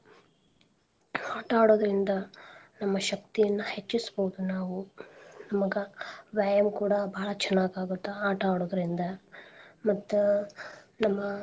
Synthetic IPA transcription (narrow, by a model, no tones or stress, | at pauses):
aːʈaːɽoːd̪ɐɾind̪ɐnɐmːɐʃɐk̚t̪ijɐnːuhe̞t͡ʃːisboːud̪unaːʋunɐmɐɡɐʋaːjɐmkuːɽɐbɐːɐɭɐt͡ʃɛnːaːɡaːɡut̪ːeaːʈaːɽoːd̪ɐɾind̪ɐ | mɐt̪ːu | nɐmːɐ